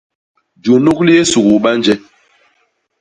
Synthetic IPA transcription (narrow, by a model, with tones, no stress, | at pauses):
d͡ʒo˨nu˦kli˦e˦su˨ɡu˨ɓa˦nd͡ʒɛ˦